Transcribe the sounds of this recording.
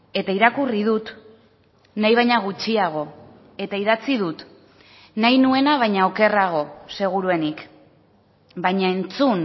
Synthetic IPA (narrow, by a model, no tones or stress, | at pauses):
e̞t̪aiɾakurið̞ut̪ | najβajɲaɣut͡ʃiaɣ̞o̞ | e̞t̪aiðat͡sið̞ut̪ | najnue̞naβ̞ajɲaoke̞raɣ̞o̞se̞ɣ̞uɾue̞nik | bajɲae̞nt͡sun